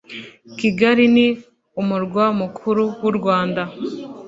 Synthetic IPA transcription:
kiɡaɾini | umuɾɡwamukʰuɾuwuɾɡwaːnda

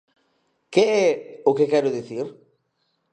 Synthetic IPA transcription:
keɛʊkekɛɾʊðiθiɾ

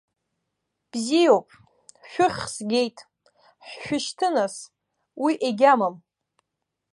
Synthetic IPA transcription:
b̥zijowpʼ | ʃᶣʊχʲsɡʲe̞jtʼ | ħʃʷᶣʊʃtʰɨnas | wiʔeɡʲamam

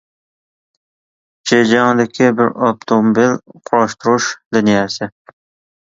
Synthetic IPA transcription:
d͡ʒed͡ʒaŋd̪ɪkʲʰɪbɪɾɑp̚t̪ʰomobilqʰʊɾɒʃt̪ʊɾʊʃd̪ɪnijasɪ

